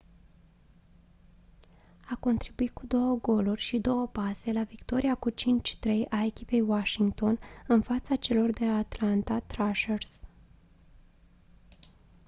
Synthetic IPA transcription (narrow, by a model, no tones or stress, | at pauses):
ako̞nt̪ɾibuit̪̚kud̪o̞wəɡo̞lurʲʃid̪o̞wəpase̞lavikt̪o̞ɾiakut͡ʃint͡ʃʲt̪ɾe̞jʔae̞kʲipe̞jwaʃiŋɡt̪o̞nɨnfat̪sat͡ʃe̞lo̞rd̪e̞laːt̪lant̪at̪ɾaʃers